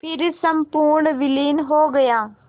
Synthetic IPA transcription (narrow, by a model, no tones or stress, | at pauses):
pʰɪɾsɐmpuːɾɳʋɪliːnɦoːɡɐjaː